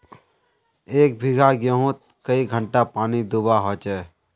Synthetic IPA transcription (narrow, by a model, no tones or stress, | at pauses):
eːk̚bʱɪɡʱaɡjoɦũt̪̚ | kəiɡʱə̃ɳʈapaːnid̪ubaɦɔːt͡ʃɛː